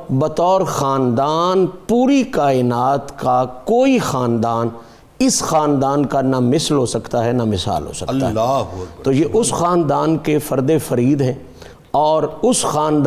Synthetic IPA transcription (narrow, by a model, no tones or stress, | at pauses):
bɐt̪ɔːɾxaːnd̪aːnpuːɾikaːɪnaːt̪kakoːixaːnd̪aːn | ɪsxaːnd̪aːnkanamɪslɦoːsɐkt̪aɦɛnamɪsa̰ːlɦo̰ːsɐ̰kt̪a̰ɦɛt̪oːjeʔʊsxaːnd̪aːnkefɐɾd̪efɐɾiːd̪ɦɛ̃ː | ɔːɾʊsxaːnd̪